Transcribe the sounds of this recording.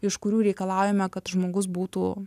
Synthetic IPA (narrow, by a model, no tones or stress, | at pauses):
ɪʃkʊɾʲuːɾʲɛɪkɐlˠɑːjɛmʲɛkɐt̪ʒmoːɡʊs̬buːt̪ṵː